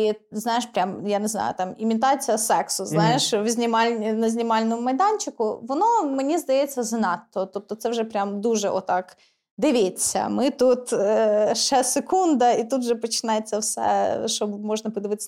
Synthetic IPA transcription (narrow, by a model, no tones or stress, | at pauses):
iznajɪʂpɾʲamjanʲɪzna̰jʊ̰t̪amɪmʲɪt̪at̪sɨjəsɛksʊznajɪʂvzʲnʲɪmalʲnəzʲnʲɪmalʲnʊʊmɐjd̪anʲt͡ɕɪkʊvɐnomnʲezd̪ɐjet̪səznat̪ːot̪ot̪ːot̪sɛʐɛpɾʲamd̪uʐɨʔot̪ak | d̪ɨvʲesʲə̰mɨt̪ut̪əʂasʲɪkund̪əit̪ut̪ʐɨpət͡ɕːɪnʲajɪt̪səfsʲa̰ʂt̪obmoʐnəpɨd̪ɐvɨt̪sʲ